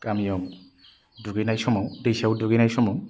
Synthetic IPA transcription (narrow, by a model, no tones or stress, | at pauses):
kamijɔk | duɡinajsɔmɔwdejsawduɡinajsɔmɔw